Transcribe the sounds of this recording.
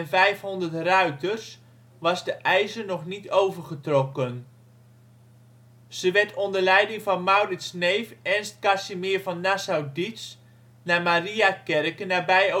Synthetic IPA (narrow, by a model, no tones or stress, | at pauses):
nvɛjfɦɔndərtrœɥtərs | ʋɑzdəʔɛjzəɹnɔχnitʰowvərχətrɔkən | z̥əʋɛɹtʰɔndəɹlɛjdɪŋvɑnmawrɪtsnejfɛnst̚kasimɪɹvɑnːasawdits | naːmariakɛrkənaːbɛjo